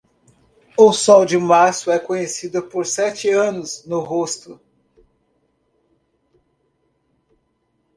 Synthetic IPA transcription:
ʊsɔwd͡ʒɪmasʊɛkõɲesid̪ʊpoɾsɛt͡ʃɪɐ̃nʊznʊɦost̪ʊ

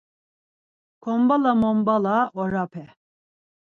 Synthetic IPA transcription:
kʰɔmbalamɔmbalaʔɔɾapʰɛ

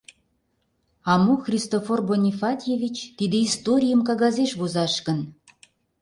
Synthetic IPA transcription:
ɑmuxrʲist̪oforbonʲifɑt̪ʲjevʲit͡ɕt̪id̪eist̪oɾʲijəmkɑɣɑzeʃβozɑʃɣə̆n

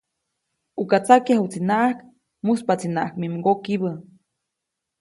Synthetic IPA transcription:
ukat͡sakjahut͡sinaʔahk | muspat͡sinaʔahkmimɡokiβə

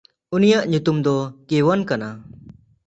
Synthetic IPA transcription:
unijaʔɲut̪umd̪ɔkewankana

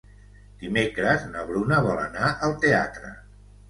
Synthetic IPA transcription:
d̪̥imekɾəznəβɾunəβ̞ɔlə̰naʔəlˠt̪ea̰t̪ɾə̰

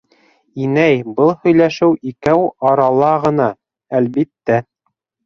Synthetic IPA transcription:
inæjbɤlˠhɵ̆jlæʃɘwikæwɑɾɑlˠɑʁɤ̆nɑ | ælbit̪ːæ

